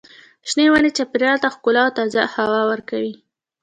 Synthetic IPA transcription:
ʃnewanet͡ʃapɾjɑlt̪axkʊlɑwt̪ɑzahawawəɾkawi

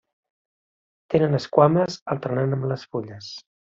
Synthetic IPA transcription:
t̪enənəskwaməzəlˠt̪əɾnanəmləsfuʎəs

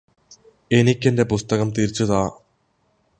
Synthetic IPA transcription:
e̞nikʲːe̞nde̞pust̪ɐɣɐmt̪iɾt͡ɕːuðaː

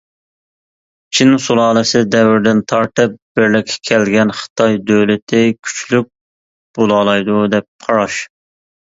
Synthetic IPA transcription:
t͡ʃʰinsulˠɑːlˠɨsɪd̪ɛwɾd̪ɪnt̪ʰɑɾt̪ɨp̚b̥ɪɾlɪkʲʰːɛ̥kʲʰɛlɡʲɛnχə̥t̪ʰɑjd̪øwlɪt̪ʰɪkʲʰy̥t͡ʃlyk̚ʲ | b̥olˠɑːlˠɑjd̪ud̪ɛp̚qʰɑɾɑʃ

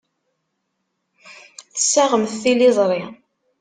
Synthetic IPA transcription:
θə̥sːaʁəmθθilizˤɾˤi

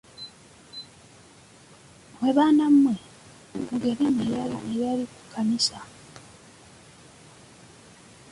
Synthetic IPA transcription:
weβaːnamwe | uɡeɾinejalinejaliku̥kʰːanisa

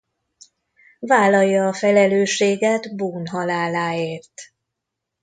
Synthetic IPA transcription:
vaːlːɒjːɒːfɛlɛløːʃeːɡɛd̪buːnɦɒlaːlaːeːrt̪

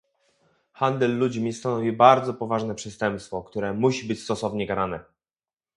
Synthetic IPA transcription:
xand̪ɛlːud͡ʑmʲist̪anɔvʲibaɾd̪zɔpɔvaʐnɛpʂɛst̪ɛmpst̪fɔkt̪uɾɛmuɕibɘt͡ɕst̪ɔsɔvɲɛkaɾanɛ

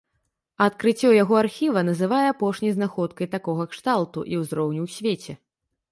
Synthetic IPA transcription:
ɐt̪̚kɾɨt͡sʲːɔjaɣɔarxʲivɐnɐzɨvajɛapɔʂnʲɐjznaxɔt̪kɐjt̪akɔɣɐkʂt̪alˠt̪uʔiwzɾɔwnʲiwsʲvʲet͡sʲɛ

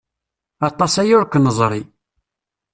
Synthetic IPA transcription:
ɑt̪ˤːɑsæjʊɾkːnəzˤɾˤi

